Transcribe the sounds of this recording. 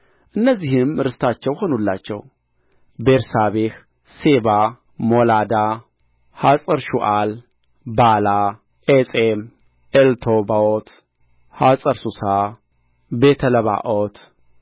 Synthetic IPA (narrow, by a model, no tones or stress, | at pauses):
ʔɨnːəzːihɪmɾɨst̪ʰat͡ʃːɛwho̞nulːat͡ʃːɛ̰w | beɾsaβex | seba | molad̪a | hasʼəɾʃuʔal | bala | ʔesʼem | ʔelt̪ʰobaot̪ | hasʼəɾsusa | bet̪ʰələβa̰ʔot̪